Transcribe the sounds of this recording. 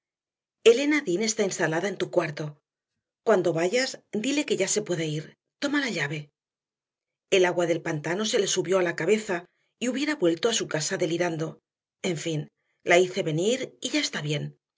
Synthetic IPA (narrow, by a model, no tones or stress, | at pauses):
e̞le̞naðine̞st̪ainst̪alaðae̞nt̪ukwaɾt̪o̞ | kwand̪o̞βaʝazd̪ile̞ke̞ʝase̞pwe̞ðaiɾ | t̪o̞malaʎaβe̞ | e̞laɣwaðe̞lpant̪ano̞se̞le̞suβjo̞alakaβe̞θa | iuβje̞ɾaβwe̞lt̪o̞asukasaðe̞liɾand̪o̞ | e̞ɱfin | laiθe̞βe̞niɾiʝae̞st̪aβje̞n